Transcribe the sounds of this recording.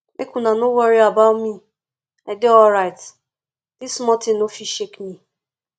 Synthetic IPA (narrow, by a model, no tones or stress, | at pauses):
mekunanowaɾiabaʊtmi | adɪɔlɾaɪt | d̥ismɔtɪ̃nːofiʃekni